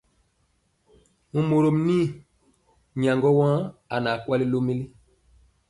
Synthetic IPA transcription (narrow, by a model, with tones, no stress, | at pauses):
mu˨mo˨ɾo˨mni˦˨ | ɲã˨ŋɡɔ˦wã˦a˨na˨kwa˦li˦lo˦mi˦li˦